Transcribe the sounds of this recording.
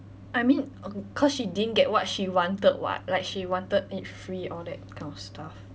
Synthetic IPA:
ʔajmĩnkʰɔsʃididə̃nɡɛt̚wɔt̚ʃiwɔ̃ntəd̚wɔ̰t̚laɪk̚ʃiwɔ̃ntədit̚fɹiʔɔldɛ̰t̚kʰãɪ̃nɔfstʰaf

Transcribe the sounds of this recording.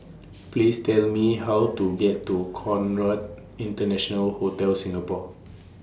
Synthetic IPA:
plistɛlmihawtuɡɛtːukʰɔ̃nɹad | ĩntənɛʃɔ̃nəlhotɛlsĩŋəpɔk

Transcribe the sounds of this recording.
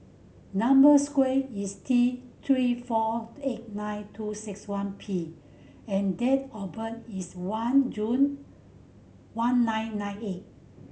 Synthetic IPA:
nãmbəskweistʰit̪ʰɹifɔet̚nãjntʰusikswãnpʰi | ɛ̃ndɛt̚ɔbətiswãnd͡ʒũn | wãnːãj̃nːãj̃net̚

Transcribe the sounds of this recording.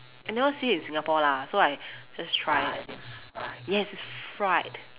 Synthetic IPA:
ɛ̃ndɛwasiɪ̃nsɪ̃ŋapɔlasoaɪd͡ʒastʰɹ̥aɪ | ajɛɪsɪsɹaɪt

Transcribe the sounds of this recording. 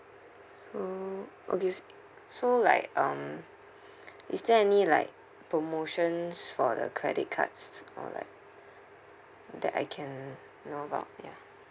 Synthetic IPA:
soʔo̰kes | sola̰ɪk̚ʌ̃m | isdɛɛnila̰ɪk̚ | pʰɹomoʃə̃nsfɔdə̰kʰɹɛ̰dit̚kʰa̰tsɔ̰la̰ɪk̚ | dɛ̰ta̰ɪkʰɛ̃nː | oəba̰ʊt̚ja

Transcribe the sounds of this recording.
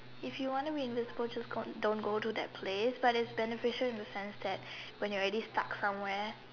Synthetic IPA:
ɪfjuwɔ̃ntubiɪ̃nvɪ̃zəbəlˠd͡ʒasɡodõnɡotudɛ̰t̚pʰlesbatɪtsbɛnəfɪʃəlɪ̃ndəsɛ̃nsd̪ɛt̚wɛ̃njɔɹɛdistaksãmwɛ

